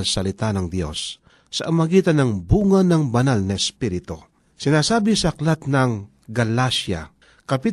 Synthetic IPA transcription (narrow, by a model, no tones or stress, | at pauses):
lsɐlɪt̪anɐŋd̪jo̞̰sː | ɐʔɐmɐɡiːt̪ɐnɐŋbuːŋɐnɐŋbɐnalnɐɛspiɾɪt̪o | sɪnaːsaːbɪsɐɐklat̪̚nɐŋ | ɡɐlasja̰ | kɐpɪt̪